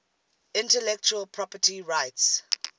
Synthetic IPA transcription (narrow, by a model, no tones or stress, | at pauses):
ɪ̃ntɛlɛk̚t͡ʃuəlpʰɹɔpətiɹaɪts